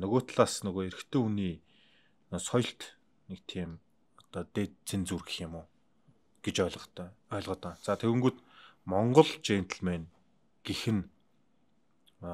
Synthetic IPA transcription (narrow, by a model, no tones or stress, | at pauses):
nɵɣoːt̪ɮaːsnɵɣoːeɾɘ̆xt̪ʰeːuniː | sɔjɞ̆ɬt̪ | nekt̪ʰiːm | ɔt̪ɔːt̪eːt̪t͡sʰent͡surɣɘ̆xɪmʊː | ɡ̥et͡ɕɔɮ̆tːɔːɮʁə̆t̪aːnt͡sʰaːt̪ʰeɾɘ̆ŋɡujʰt̪mɔɴɢɞ̆ɮt͡ɕeːnt̪ʰə̆ɮmeːn | ɡ̥exɘ̆n